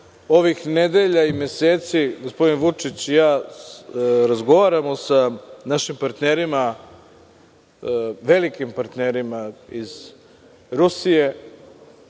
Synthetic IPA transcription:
o̞ʋixned̪e̞ʎaimjeseːt̪siɡo̞spo̞d̪inʋut͡ʂit͡ɕjaː | ɾazɡo̞ʋaːɾamosanaʃimpaɾt̪neːɾima | ʋe̞likimpaɾt̪neːɾimaiz | ɾusije̞

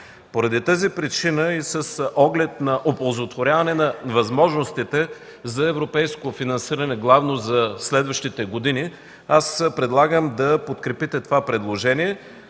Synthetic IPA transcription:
poɾɐd̪it̪azipɾit͡ʃinəisəsʔɔɡlɛt̪nɐʔobolˠzot̪voɾʲavɐnɛnɐvɐzmɔʒnost̪it̪ɛ | zɐɛvɾopɛjskofinɐnsiɾənɛɡlˠavnozɐslɛd̪vəʃt̪it̪ɛɡod̪ini | aspɾɛd̪lˠaɡəmd̪ɐpot̪kɾɛpit̪ɛt̪ovapɾɛd̪lˠoʒɛniɛ

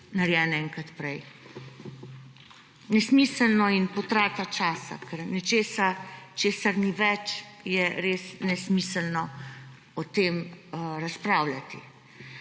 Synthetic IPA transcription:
naɾjɛnɛŋkat̪pɾɛj | nɛsmiːsəlnɔinpɔt̪ɾaːt̪at͡ʃaːsa̰kɛɾnɛt͡ʃeːsat͡ʃeːsaɾniʋɛt͡ʃjɛɾeːsnɛsmiːsəlnɔ | ɔt̪eːmɾaspɾaːwlat̪ḭ

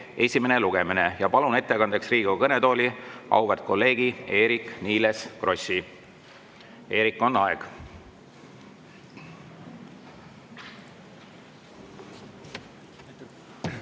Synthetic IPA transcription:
e̞sʲime̞ne̞luɡ̥e̞mine̞jɑpɑlune̞t̪ːe̞kɑnd̪̥e̞ksriːɡ̥ukɤne̞d̪o̞ːlʲiʔɑ̰wvert̪̚ko̞lːe̞ːɡ̥ie̞ːɾikniːleskro̞si | e̞ːɾikːˑo̞nːɑeɡ̥

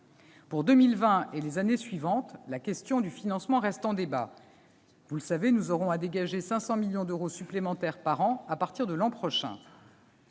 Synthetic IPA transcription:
puʁd̪əmilvɛ̃elezanesɥivɑ̃t̪lakʲɛst̪jɔ̃d̪yfinɑ̃smɑ̃ʁɛst̪ɑ̃d̪eba | vuləsavenuzɔʁɔ̃ad̪eɡaʒesɛ̃sɑ̃miljɔ̃d̪øʁosyplemɑ̃t̪ɛʁpaʁɑ̃apaʁt̪iʁd̪əlɑ̃pχɔʃɛ̰̃

